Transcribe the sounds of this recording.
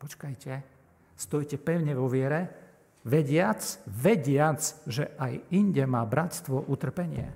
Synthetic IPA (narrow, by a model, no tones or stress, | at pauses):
pɔt͡ʃkajcɛ | st̪ɔjcɛpɛʊɲɛʋɔʋɪɛɾɛ | ʋɛɟɪat͡sʋɛɟɪat͡sʒɛʔajiɲɟɛmaːbɾat̪st̪ʋɔʔut̪r̩pɛɲɪɛ̰